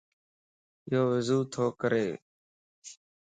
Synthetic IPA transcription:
ɪjɦoːʋɪzuːt̪ʰoːkəɾḛː

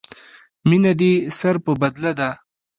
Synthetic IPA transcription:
minad̪isaɾpəbad̪lad̪a

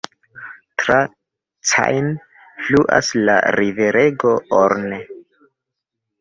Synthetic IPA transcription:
tɾa | t͡sa̰jn | fluʔa̰sla̰ɾiveɾʔeɡooɾne

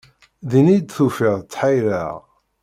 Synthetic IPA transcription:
ðinid̪θufiʁt͡sːħajɾæʁ

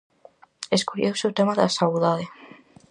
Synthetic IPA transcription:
eskoʎewsewt̪emaðasawðaðe

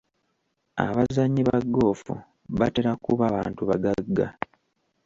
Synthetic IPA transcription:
a̰βazaɲːiβaɡːo̞ːfṵ | βateɾakuβaβaːntuβaɡaɡːa̰

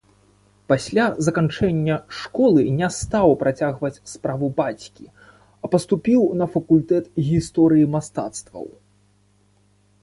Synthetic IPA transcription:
pasʲlʲazɐkant͡ʂɛnʲːɐʂkɔlˠɨnʲɛst̪awpɾat͡sʲaɣvɐt͡sʲspɾavubat͡sʲkʲi | ɐpɐst̪upʲiwnɐfɐkulʲt̪ɛt̪ɣʲist̪ɔɾɨjimast̪a̰t̪st̪vɐ̰w

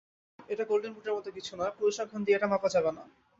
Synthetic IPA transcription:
eʈakolɖenbuʈeɾmɔt̪okit͡ɕʰunɔepuɾoʃaɡʰʱand̪ieeʈamapad͡ʑabena

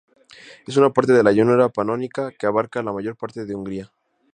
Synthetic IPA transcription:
e̞s̬unapaɾt̪e̞ð̞e̞laʝunuɾapanonikakeaβ̞aɾkalamaʝo̞ɾpaɾt̪e̞ðeuŋɡɾia

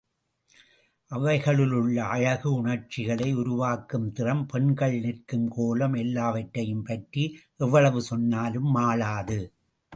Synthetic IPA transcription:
ʔɐʋɐɪɣɐɭɪlɯɭːɐʔɐɻɐɣɯʊɳɐɾt͡ʃɪɣɐɭɐɪʊɾʊʋaːkɯmt̪ɪrɐmpɛɳɡɐɭɪnɪrkɯmkoːlɐmɛlːaːʋɐʈːɐjɯmpɐʈriʔɛʋːɐɭɐʋɯsɔnːaːlɯmːaːlaːðɯ

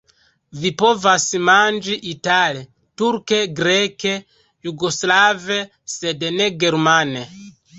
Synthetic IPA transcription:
vipɔvasimand͡ʒiʔitalɛ | tuɾkeɡɾɛke | juɡoslavɛ | sɛdɛnɛɡɛɾmanɛ

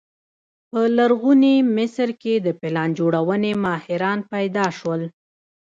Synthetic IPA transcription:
pəlaɾɣunimɪsɾked̪əpɪlɑnd͡ʒoɽawənemɑhɪɾɑnpajd̪ɑʃwəl

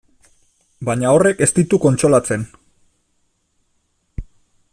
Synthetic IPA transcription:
baɲao̞re̞ke̞st̪it̪uko̞nt͡ʃɾo̞lat͡se̞n

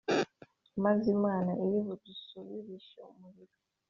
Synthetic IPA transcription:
mazimwaːnaʔeɾiβutusuβiɾiʃoomuβiɾo

